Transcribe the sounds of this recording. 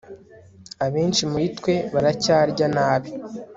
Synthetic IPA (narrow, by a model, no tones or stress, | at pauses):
aβeːnt͡ʃimuitkwe̞βaɾacaːɾɟanaːβi